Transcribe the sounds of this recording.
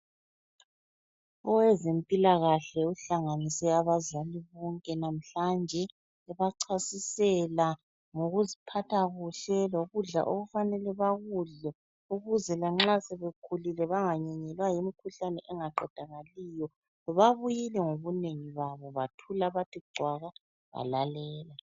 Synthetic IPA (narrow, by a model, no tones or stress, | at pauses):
ɔwɛzempʼilaɣaɬɛuɬaŋanisɛaβazaliβɔŋkʼɛnam̩ɬand͡ʒʱɛ | ɛβaǀʰasisɛla | ŋoɣuzipʰatʰaɣuɬɛloɣuɮa̰ʔoɣufanɛlɛβaɣuɮɛ | uɣuzɛlaŋ͡ǁasɛβekʰulilɛβaŋaɲɛɲɛlwajimikʰuɬanɛ̰ʔɛŋaǃɛd̥ʱaŋalijɔ | βaβujilɛŋoβuneŋiβaβɔβatʰulaβatʰiɡ͡ǀʱwaɣa | βa̰lalɛːla